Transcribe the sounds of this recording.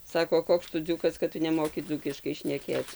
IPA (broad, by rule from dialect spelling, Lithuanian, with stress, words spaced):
ˈsɑːkoː ˈkoːks tʊ ˈd͡zuːkɐs kɐt ˈtʊ nʲɛˈmoːkʲɪ ˈd͡zuːkʲɪʃkɐɪ ʃʲnʲɛˈkʲeːt͡s